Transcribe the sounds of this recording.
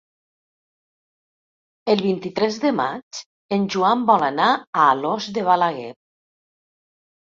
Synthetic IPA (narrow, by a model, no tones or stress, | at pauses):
əlˠβint̪it̪ɾɛzðəma̰t͡ʃ | enʲʒuambɔlanaaːlɔzðeβalaɣɛt̚